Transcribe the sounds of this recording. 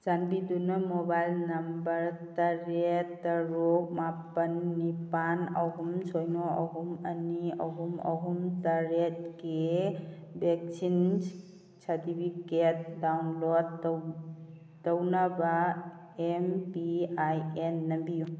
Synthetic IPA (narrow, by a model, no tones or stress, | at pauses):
zanbidunɐmɔbajlnɐmbɐɾtɐɾetːɐɾok̚mapɐnːipanɐɦumsʰojnoʔɐɦumɐ̰niɐɦumɐ̰ɦumtaɾet̚ke | bek̚sʰin | saɾtipʰiket̚dawnlod̚ | ɐwnaba | empiajenːɐmbiju